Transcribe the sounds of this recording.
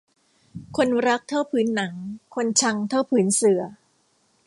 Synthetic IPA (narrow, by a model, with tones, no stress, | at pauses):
kʰo˧nɾa˦˥k̚t̪ʰaː˥˩wpʰɯː˩˦nːa˩˦ŋkʰo˧nt͡ɕʰa˧ŋt̪ʰa˥˩wpʰɯː˩˦nsɯ˨˩˦ɐ